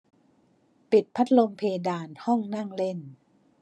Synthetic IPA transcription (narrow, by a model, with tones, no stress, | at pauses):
pi˨˩t̪̚pʰa˦˥t̪̚lo˧mpʰeː˧daː˧nhɔ˥˩ŋna˥˩ŋle˥˩n